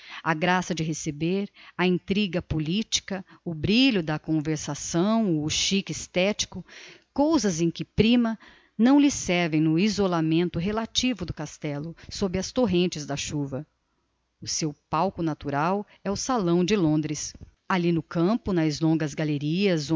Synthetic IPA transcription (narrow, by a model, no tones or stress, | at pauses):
ɐɡɾasɐd͡ʒɪɦesebeɾɐĩnt̪ɾiɡɐpolit͡ʃi̥kɐʊbɾiʎʊd̪ɐkõveɾsasɐ̃w̃ʊʃikɪst̪ɛt͡ʃi̥kʊkowzɐzẽj̃kɪpɾĩmɐ | nɐ̃w̃lɪsɛɾvẽj̃nʊizolamẽnt̪ʊɦelat͡ʃivʊd̪ʊkast̪ɛlʊsobɾɪɐst̪oɦẽnt͡ʃɪzd̪ɐʃuvɐ | ʊsewpawkʊnat̪uɾaw | ɛʊsalɐ̃w̃d͡ʒɪlõnd̪ɾɪs | alinʊkɐ̃pʊnɐzlõŋɡɐzɡaleɾiɐz̃